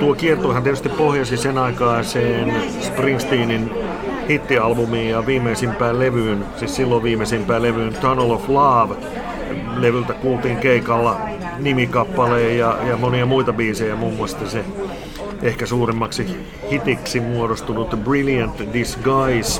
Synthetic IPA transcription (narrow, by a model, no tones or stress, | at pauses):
t̪uokiert̪ohɑnt̪iet̪yst̪ippohjɑsisenɑikɑːseːn | sprinst̪iːnin | hit̪ːiɑlbumiːjjɑʋiːmːeisimpæːlleʋyːnsissilːoʋiːmesimpæːleʋyːnt̪onoloflɑːʋ | leʋylt̪ækuːlt̪iːŋkeikɑlːɑ | nimikɑpːɑleːjɑjɑmoniɑmuit̪ɑbiːsejæmuːmːuɑst̪ɑse | ʔehkæsuːrimːɑksi | hit̪iksimuoɾost̪unut̪brilijænt̪disɡɑis